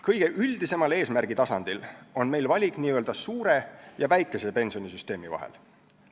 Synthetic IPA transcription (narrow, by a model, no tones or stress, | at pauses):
kɤjɡ̥e̞ʔyld̪̥ise̞mɑle̞ːsmærɡ̥it̪ɑsɑnd̪̥ilo̞nme̞jlvɑlʲikˑniːøld̪ɑsuːɾe̞jɑvæjkˑːe̞sepe̞nʲsio̞nisyst̪e̞ːmivɑ̰ɦḛl